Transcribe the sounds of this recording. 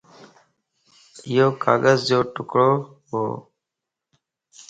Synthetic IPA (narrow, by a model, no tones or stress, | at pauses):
ɪjoːka̰ːɠəzd͡ʒoːʈʊkɽoː | ɦo̰ː